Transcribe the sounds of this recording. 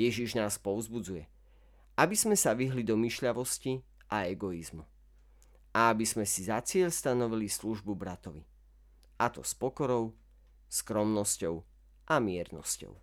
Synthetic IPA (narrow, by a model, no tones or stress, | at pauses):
jɛʒiʒnaːspɔʊzbud͡zujɛ | ʔabizmɛsaʋiɦlid̪ɔmiʃʎaʋɔsci | ʔaɛɡɔizmu | ʔaabizmɛsizat͡sɪɛʎst̪anɔʋilisluʒbubɾat̪ɔʋi | ʔat̪ɔ̰spɔkɔɾɔʊ | skɾɔmnɔscɔʊ | ʔamɪɛɾnɔ̰scɔ̰ʊ